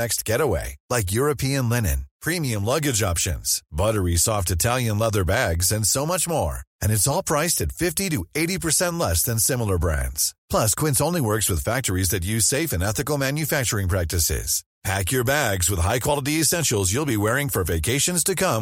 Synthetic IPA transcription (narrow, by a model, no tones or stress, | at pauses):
ɛkst̚ɡ̥ɛɾəwḛɪlaɪk̬jʊɹɨpʰiɨ̃nlɛnɨ̰̃npʰɹ̥ĩmiɨ̃mlʌɡɨd͡ʒɑpʃɨ̰̃nz̥bʌɾə˞isɔftɨtʰælˠjɨ̃nlʌðə˞bæɡzɨ̃nsoʊmʌt͡ʃmɔɹɨ̃ñɨtsɔlˠpʰɹ̥aɪstɨtfɪftiɾɨeɪɾipʰə˞sɛ̃nʔˡlɛsðɨ̃nsɪ̃ml̩ˠə˞bɹæ̰̃ndz̥pʰl̥ʌskʰw̥ɪ̃ntsõʊ̃nliwɜ˞kswɨð̥fæk̚tə˞izðɨt̬jʉz̥seɪfɨ̃nɛθɨkl̩ˠmæ̃njɨfæk̚t͡ʃə˞ɪ̃ŋpʰɹ̥æk̚tɨsɪ̰z̥ | pʰækjə˞bæɡzwɨð̥haɪkʰw̥ɑlˠəɾiɨsɛ̃nʃl̩ˠzjulˠbiwɛɹɪ̃ŋfə˞veɪkʰeɪʃɨ̃nz̥tʰɨkʰʌ̃m